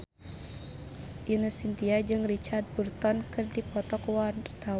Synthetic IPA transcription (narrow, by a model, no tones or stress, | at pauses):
ʔinəsint̪iad͡ʒɨŋrit͡ʃard̪̚burt̪ɔnkɨrdipɔt̪ɔkwant̪a